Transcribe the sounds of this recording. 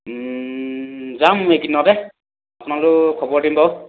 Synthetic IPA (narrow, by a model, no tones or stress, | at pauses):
zamːʊekinɔdɛ | apʊnalʊkʰɔbɔɹdimbɔ